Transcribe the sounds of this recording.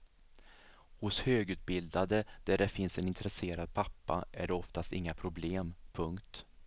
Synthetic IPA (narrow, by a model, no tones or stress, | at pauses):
hʊshøːɡʉ̟ːt̪̚bɪld̪ad̪əd̪̥æɖɛfɪnsɛnɪnt̪ɾɛseːɾad̪̚pʰapːa̰ʔæ̰ɖɛɔft̪ast̪ɪ̰ŋːapʰɾʊbleːmpʰɵŋkt̪